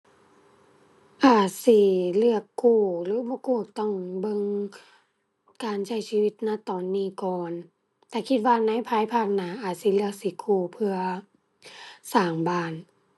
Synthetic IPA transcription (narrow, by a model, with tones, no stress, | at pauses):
ʔaː˨˩t̪̚si˧˦lɯ˧˩ɐkːuː˧˩lɯː˨˦bɔː˧˦kuː˧˩˨t̪ɔ˧˩˨ŋbɤ˧˨ŋ | kaː˨nsa˧˩jsiː˧wi˧˦t̪̚na˧˩t̪ɔː˨˩nːiː˧˩˨kɔː˨n | t̪ɛː˧˩kʰi˧t̪̚waː˧na˧˥˨jpʰaː˧˥˨jpʰaː˧˩k̚naː˨˧˦ʔaː˨˩t̪̚si˧˦lɯ˥˧ɐk̚siː˧˦kʰuː˧˩pʰɯ˧ɐ | saː˨˩ŋbaː˧˩n